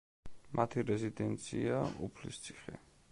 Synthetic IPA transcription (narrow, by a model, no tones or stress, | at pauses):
mʔat̪ʰiɾɛzid̪ɛnt̪sʰiaupʰlist̪sʰi̥χɛ̰